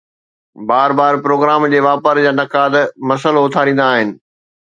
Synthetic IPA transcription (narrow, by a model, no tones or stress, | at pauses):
baːɾbaːɾpɾoːɡɾaːmd͡ʑeːʋaːpəɾd͡ʑaːnɐkaːd̪mɐsəloʊt̪ʰaːɾĩːn̆d̪aːɦɪnɪ̆